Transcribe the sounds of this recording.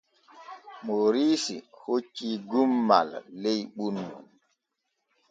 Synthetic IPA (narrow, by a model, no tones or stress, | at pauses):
moɾiːsihot͡ʃːiɡumːa̰lːejɓunːṵn